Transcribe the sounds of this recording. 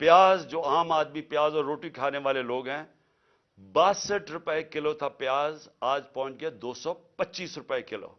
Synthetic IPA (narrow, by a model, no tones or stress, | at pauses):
pjaːzd͡ʒoːaːmaːd̪mipjaːzɔːɾːoːʈikʰaːneʋaːleloːɡɦɛ̃ː | baːsəʈɾʊpɛekɪlot̪ʰapɪjaːzaːd͡ʒpɔ̃ːʊ̃t͡ʃɡead̪oːsɔpɐt͡ʃːiːsɾʊpɛekɪlo̰ː